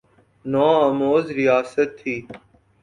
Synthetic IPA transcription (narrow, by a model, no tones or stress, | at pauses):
nãːəmoːzɾɪjaːsət̪ʰːiː